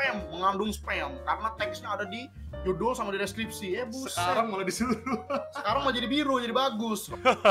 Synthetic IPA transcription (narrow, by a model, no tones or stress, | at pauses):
pɛmːəŋandʊŋspɛmkaɾənat̪ɛksɲaːdadi | d͡ʒudosamadiɾɛskɾipsiɛbʊəskaaɾaŋmaladisit̪usəkaɾaŋmaad͡ʒadibiɾod͡ʒadibaɡʊs